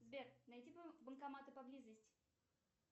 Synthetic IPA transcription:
zbʲernɐjdʲibənkɐmat̪ɨpɐblʲizəsʲtʲ

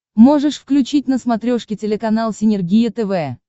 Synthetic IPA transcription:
mo̞ʐɨʂfklʲʉt͡ɕit̚ʲnəsmɐt̪ɾʲoʂkʲɪtʲɪlʲɪkɐnalˠsʲɪnʲɪrɡʲijət̪ɛvɛ

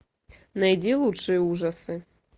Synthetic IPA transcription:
najd͡zʲilˠutʂɨjɐuʐɐsɨ

